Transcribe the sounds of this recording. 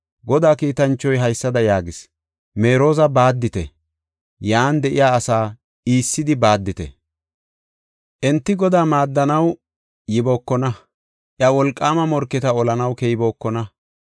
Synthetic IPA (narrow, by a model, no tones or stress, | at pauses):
ɡɔd̪aːkiːt̪ɐnt͡ʃːɔjɦɐjsːɐd̪ɐjaːɡɪs | me̞ːɾo̞ːzɐbaːd̪ːɪt̪ɛ̰ | jaːnd̪ɛʔɪ̰jaːɐsaː | iːsːɪd̪ɪbaːd̪ːɪt̪ɛ̰ | ʔɛnt̪ːɪɡɔd̪aːmaːd̪ːɐnɐw | jɪboːkːɔnɐ | ʔɪɐwɔlkʼːaːmɐmɔɾkːɪt̪ɐɔlɐnɐwkɛjbo̞ːkːɔnɐ